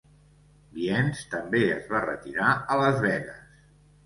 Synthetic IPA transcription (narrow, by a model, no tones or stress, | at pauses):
biɛnst̪əmbeə̰zβarət̪iɾaələzβɛɣəs